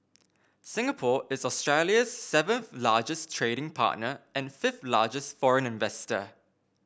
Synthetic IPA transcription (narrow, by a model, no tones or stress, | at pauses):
sɪ̃ŋəpʰɔːʔɪzɔstɹ̥eljəz̥sɛvə̃nθlaːd͡ʒɪstʰɹ̥eːɾɪ̃ŋpʰɑ̰ˑʔnəʔə̃nfɪfθlɑ̰ːd͡ʒɪstfɔɹə̃nɪ̃ɱvɛstə̰